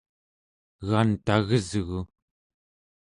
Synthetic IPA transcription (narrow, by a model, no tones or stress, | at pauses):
ɣant̪aɣəzɣu